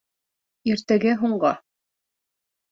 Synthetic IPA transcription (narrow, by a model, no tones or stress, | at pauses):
iɾt̪æɡɘɦuɴɢɑ